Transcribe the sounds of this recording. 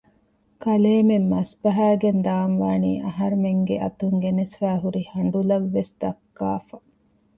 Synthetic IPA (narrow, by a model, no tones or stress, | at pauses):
kɐleːmemːɐsbɐɦæːɡend̪aːnʋaːniːʔɐɦɐɾumeŋɡeʔɐt̪uŋɡenesfæːɦuɾihɐɳɖulɐʋːesd̪ɐkːa̰ːfɐ